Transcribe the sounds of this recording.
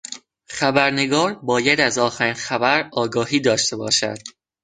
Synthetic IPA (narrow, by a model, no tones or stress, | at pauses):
xæbæɾne̞ɡɒːɾbɒːjæd̪æzɒːxæɾiːnxæbæɾɒːɡɒːhiːd̪ɒːʃt̪e̞bɒ̰ːʃæ̰d̪̥̚